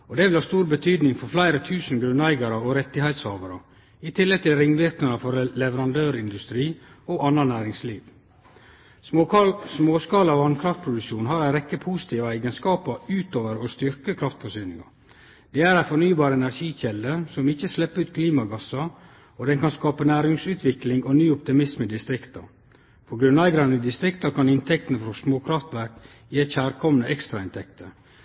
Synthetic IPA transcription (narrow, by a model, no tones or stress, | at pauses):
ɔd̪ɛːʋɪlhɑːst̪uːɾbət̪ʰyːd̪nɪŋfɔɾflæɪɾət̪ʰʉːsn̩ɡɾʉnæɪɡɑɾəɔɾɛt̪ːɪhæɪt̪shɑːʋɑɾə̰ | ɪt̪ʰɪlːɛɡ̚t̪ʰɪlɾɪŋʋɪɾknɑnəfɔɾlɛʋəɾɑnd̪øːɾɪnd̪ʉst̪ɾiː | ɔʔɑnːɑnæːɾɪŋsliːʋ | smoːskɑːlɑʋɑnkʰɾɑft̪̚pʰɾʊd̪ʉkʃuːnhɑɾæɪɾɛkːəpʰusɪ̥t̪ʰiːʋɑɛɡənskɑːpɑʉːt̪oːʋəɾɔst̪ʏɾkəkʰɾɑft̪fɔʂyːnɪŋɑ̰ | d̪ɛːæɾæɪfɔnyːbɑːɾəɛnæɾʂiːçɛlːəsɔmɪçəslɛpːəʉːt̪̚kʰliːmɑɡɑsɑ | ɔd̪ɛnkɑnskɑːpənæːɾɪŋsʉːt̪ʰʋɪklɪŋɔnyːɔpt̪ɪmɪsmɪd̪ɪst̪ɾɪkt̪ɑ̰ | pʰɔɡɾʉnæɪɡɾɑnəɪd̪ɪst̪ɾɪkt̪ɑkʰɑnɪnt̪ʰɛk̚t̪ənəfɾɔsmoːkʰɾɑft̪ʋæɾk | jiːæçæːɾkʰɔmnəʔɛkst̪ɾɑɪnt̪ʰɛkt̪ʰə